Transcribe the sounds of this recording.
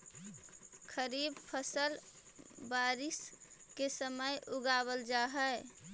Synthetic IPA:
kʰəɾiːbpʰəsəl | baːɾɪskesəməjʔʊɡaːβəld͡ʒaɦə

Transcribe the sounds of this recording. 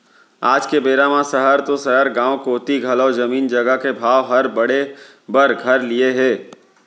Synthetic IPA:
aːd͡ʒkebeːɾamãsɐɦəɾt̪osɐɦəɾɡãːwkoːt̪iɡʱɐlɔːzɐmiːnd͡ʒɐɡəkebʱaːʋɦɐɾbɐɽe | bəɾɡʱɐɾlieɦɛː

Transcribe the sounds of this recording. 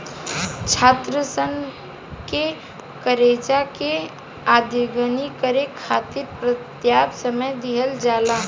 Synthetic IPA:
t͡ʃʰaːt̪ɾəsən | ke | kəɾeːd͡ʒake | aːd̪ʱoɡənikəɾekʰaːt̪iɾpɾət̪jaːbsəməjd̪iɦəld͡ʒaːlaː

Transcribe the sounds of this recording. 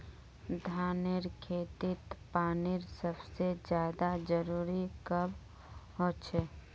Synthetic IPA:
d̪ʱaːnɪɾkʰeːt̪ɪt̪paːnɪɾsəbsed͡ʒjaːd̪ad͡ʒəɾuːɾikəb | ɦoːt͡ʃʰeː

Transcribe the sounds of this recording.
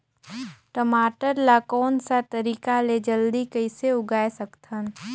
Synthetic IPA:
ʈəmaːʈəɾlakɔːnsat̪əɾiːkaled͡ʒəld̪ikəɪseʊɡaːesəkt̪ʰən

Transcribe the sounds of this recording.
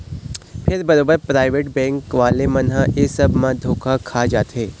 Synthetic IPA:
pʰɪɾbɐɾoːbəɾpɾaːɪʋeːʈbɛ̃ːŋkʋaːlemɐnɦãesɐbmãd̪ʱoːkʰakʰaːd͡ʒaːt̪ɦeː

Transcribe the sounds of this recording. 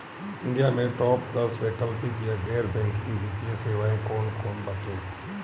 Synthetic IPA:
ɪ̃nɖijaːmẽʈɔːpd̪əsʋeːkəlpit̪iaɡɛːɾbɛ̃ŋkkiʋɪt̪iẽseːʋaːẽkoːnkoːnbat͡ʃẽː

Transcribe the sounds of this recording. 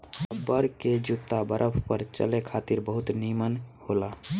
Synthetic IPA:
bəɾked͡ʒut̪ːabəɾʔəpʰpəɾt͡ʃə̰lekʰat̪iɾbəɦut̪nimənhola

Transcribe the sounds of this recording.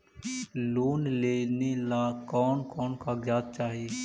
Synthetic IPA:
loːnleːnelaːkɔːnkɔːnkaːɡjaːd̪̚t͡ʃaːɦieː

